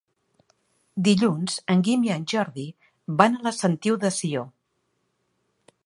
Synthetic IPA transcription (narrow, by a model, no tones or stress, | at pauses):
d̪iʎunz̥əŋɡimiənʲʒɔɾði | βanələsənt̪iwðəsio